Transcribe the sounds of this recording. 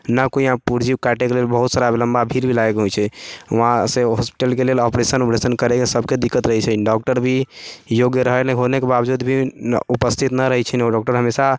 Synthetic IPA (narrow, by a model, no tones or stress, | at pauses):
nəkoiãpuɾd͡ʒibkaʈekelelbəɦut̪saɾabeləmbabʱiɾbʱilaekɦojt͡ʃʰɛɦãseɦɔspi̥ʈəlkelelɔpɾesənupɾesənkəɾekesəb̚ʱked̪ikːət̪ɾəɦɛt͡ʃʰɛɖɔk̚ʈəɾbʱijoɡjəɾəɦənɛkɦonekebabd͡ʒud̪bʱiupəst̪ʰit̪nəɾəɦɛt͡ʃʰɛnoɖɔk̚ʈəɾɦəmesa